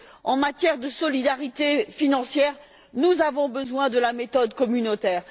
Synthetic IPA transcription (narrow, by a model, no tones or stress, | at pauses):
ɑ̃mat̪jɛʁd̪əsɔlid̪aʁit̪efinɑ̃sjɛːʁ | nuzavɔ̃bəzwɛ̃d̪əlamet̪ɔd̪kɔmynot̪ɛːʁ